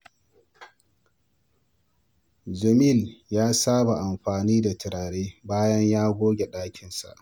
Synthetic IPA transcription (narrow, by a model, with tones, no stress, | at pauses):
d͡ʒɐ˨mi˦˨ljaː˦saː˦ba˨ʔa˨mɸaː˨niː˦da˨tɪ˨ɾaː˨ɽeː˦baː˦jɐ˦ɲjaː˦ɡʷoː˦ɡʲe˨ɗaː˦kʲɪ˨nsa̰˨ʔ